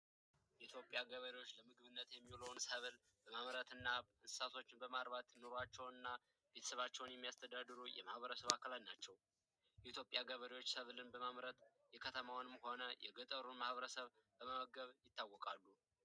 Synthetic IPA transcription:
jɛʔit̪ʰjo̞pʼjaɡəβəɾiwo̞t͡ʃːləmɨɡɨβɨnːət̪jɛmːilownsəβl | bəmamɾət̪ɨnːaɨnɨ̥sat̪ʰo̞t͡ʃːɪnbəmaɾβat̪no̞ɾoat͡ʃːɛwnɨnːa | b̥etʰə̥səβat͡ʃːɛwnjɛmːijast̪ʰəd̪ad̪ɨɾujɛ̰mahβəɾəsəβakʰːəlaj̪nat͡ʃːɛw | jɛit̪ʰjo̞pʼjaɡəβəɾiwo̞t͡ʃːsəβlɨnbəmamɾət̪ | jɛkʰət̪ʰəmawnɨmho̞nəjɛ̰ɡət̪ʼəɾunmahβəɾəsəβbəməməɡəβjɪt̪ːawːɔkʼalːu

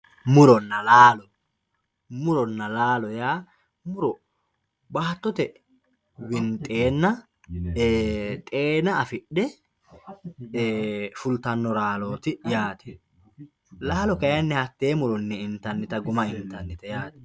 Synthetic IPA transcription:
mʊɾɔnːɐlaːlɔ | mʊɾɔnːɐlaːlɔjaː | mʊɾɔ | baːt̪ːɔt̪ɛ | wɪnt̪ʼeːnːɐ | t̪ʼeːnɐːfɪɗːɛ | fʊlt̪ɐnːɔɾaːloːt̪ɪjaːt̪ɛ̥ | laːlɔkɐjɐnːɛhɐt̪ːeːmʊɾɔnːɛɪnt̪ːɐnːɪt̪ɐɡʊmɐɪnt̪ɐnːɪt̪ɛjaːt̪ɛ̥

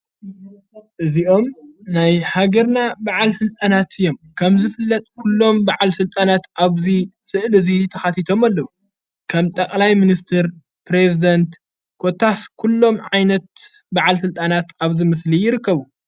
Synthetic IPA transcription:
ʔɨziʔo̞mnajhaɡɐɾnabaʕalsɨlt̪ʼanat̪ʰɨjːo̞mkʰɐmzɨfɨlːɐt̪ʼkʰulːo̞mbaʕalsɨlt̪ʼanat̪ʔaβzisɨʔlɨzit̪ʰɐxat̪ʰit̪ʰo̞malːɐwu | kʰɐmt̪ʼɐkʼlajminist̪ʰɨɾ | pɾezid̪ɐnt̪ | kʰot̪ʰːaskʰulːo̞mʕajnɐt̪̚ | baʕalsɨlt̪ʼanat̪aβzimɨslijɪɾɨkːɐβu

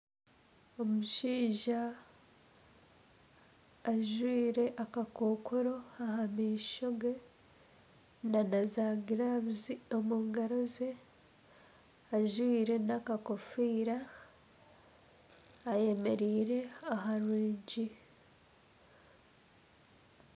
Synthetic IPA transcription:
o̞muʃiːʒa | ʒwiːɾe̞ʔakakʰoːkʰoɾoahamiːʃoɡe̞ | nanazaːɡiɾaβziomuːŋɡaɾoze | aʒwiːɾe̞nakakofiːɾa | je̞me̞ɾiːɾe̞aɦaɾwiːɲɟi

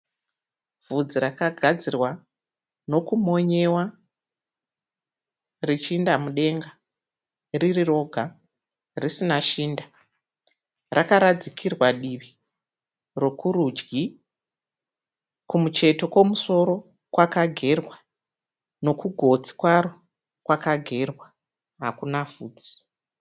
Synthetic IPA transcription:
vʱud͡ziɾakaɡʱad͡zirwa | no̞kumo̞ɲe̞wa | rit͡ʃindamuɗe̞ŋɡa | ririro̞ɡʱa | risinaʃiːnda | rakaɾad͡zikʰirwaɗiʋi | ro̞kuɾud͡ʒɡi | kumut͡ʃe̞to̞ko̞muso̞ɾo̞ | kwakaɡʱe̞rwa | no̞kuɡʱo̞t͡si̥kwaɾo | kwakaɡʱe̞rwa | ɦakunavuːd͡zi̥

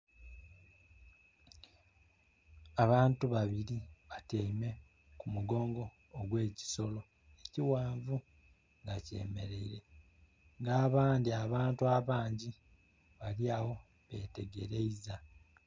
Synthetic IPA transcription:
aβaːntuβaβiɾiβateːme̞ | kumuɡo̞ːŋɡo̞ː | ɡwe̞ːci̥so̞lo̞ | eciwaːɱvu | ŋɡace̞̰ːme̞̰ɾe̞iɾe̞ | ŋɡaːβaːndiaβaːntuaβaːɲɟi | βaljaːwo̞ | βe̞̰ːte̞ɡe̞̰ɾe̞iza

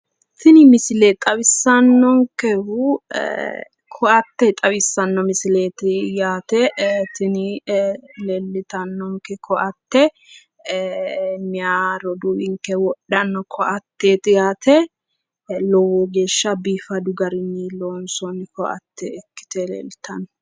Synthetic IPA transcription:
t̪ɪnɪmɪslɛt̪ʼɐbɪsːɐnːɔŋkɛhu | kʰɔɐt̪ːɛt̪ʼɐβɪsːɐnːɔmɪsɪleːt̪ɪjaːt̪ɛt̪ɪnɪ | lɛlːɪt̪ɐnːɔŋkɛkʰɔʔɐt̪ːɛ | mɪjaɾɔd̪uːwɪŋkːɛwɔɗːɐnːɔkʰɔʔɐt̪ːeːt̪ɪjaːt̪ɛ | lɔwɔɡe̞ːʃːɐbiːfɐd̪ʊɡɐɾɪnːɪloːnsɔnɪkɔʔɐ̰t̪ːɛɛkːɪ̥t̪ɛlɛ̰lːɪt̪ɐnɔ

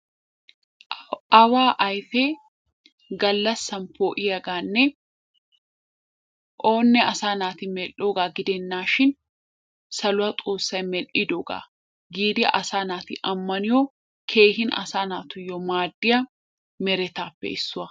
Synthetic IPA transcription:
ɐwaːʔɐjfeː | ɡɐlːɐsːɐnpoːʔɪjɐɡaːnːɛ | ʔoːnːɛɐsaːnaːt̪ɪmɛlʔoːɡaːɡɪd̪ɛnːaːʃɪn | sɐlʊɐt̪ʼoːsːɐjmɛlʔɪd̪oːɡa̰ː | ɡiːd̪ɪɐ̰ʔɐsaːnaːt̪ɪʔɐmːɐnɪjo | kʰe̞ːhɪnɐ̰saːnaːt̪ʊjːɔmaːd̪ːɪjɐ | mɛɾɛt̪aːpːɛ̰ɪsːʊɐ

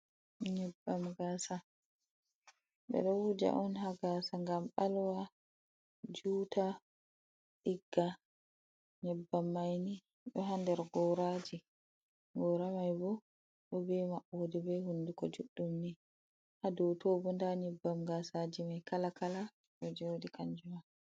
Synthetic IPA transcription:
ɲɛbːamɡasa | ɓɛ̰ɗɔwud͡ʒa̰ʔɔnhaɡasaŋɡamɓalwa | d͡ʒuːta | ɗiɡːa | ɲɛbːamːajni | ɗɔɦandɛɾɡɔɾad͡ʒi | ɡɔːɾamajbɔ | ɗɔbɛmaʔːodibɛhundukɔd͡ʒuɗːumni | hadɔwtoːbɔndaɲɛbːamɡasad͡ʒimajkalakala | ɗɔd͡ʒodikaɲd͡ʒuma

